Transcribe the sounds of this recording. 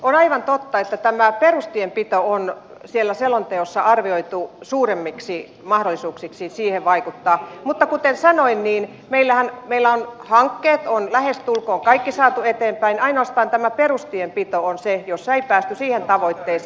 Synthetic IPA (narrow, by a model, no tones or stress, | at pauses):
onɑiʋɑnt̪ot̪ːɑet̪ːæt̪æmæperust̪iempit̪oon | sielːæselont̪eosːɑʔɑrʋioit̪usuːremːiksi | mɑhdolːˑisuːksiksisiːheʋʋɑikut̪ːɑːmut̪ːɑkut̪ensɑnoinniːn | meilːæhænmeilːæonhɑŋkːeːt̪onlæhest̪ulkoːŋkɑikːisɑːt̪uet̪eːmpæinɑinoɑst̪ɑːnt̪æmæperust̪iempit̪oonsejosːeipæːst̪ysiːhent̪ɑʋoit̪ːeːs